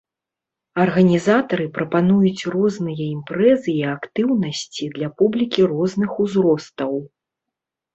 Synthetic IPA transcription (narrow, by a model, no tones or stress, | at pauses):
ɐrɣɐnʲizat̪ɐɾɨpɾɐpanujut͡sʲrɔznɨjɐimpɾɛzɨːakt̪ɨwnɐsʲt͡sʲid̪lʲapublʲikʲirɔznɨxuzɾɔst̪ɐw